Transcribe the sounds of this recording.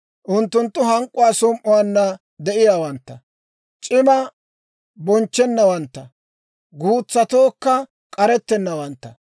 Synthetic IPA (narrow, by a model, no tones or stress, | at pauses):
ʔʊnt̪ːʊnt̪ːʊɦɐŋkʼːʊwaːsʊmʔʊwaːnːɐ | d̪ɛʔɪjaːwɐnt̪ːɐ | t͡ʃʼɪmɐ | bɔnt͡ʃːɛnːɐwɐnt̪ːɐ | ɡuːt͡sːɐt̪oːkːɐ | kʼɐɾɛt̪ːɛnːɐwɐnt̪ːɐ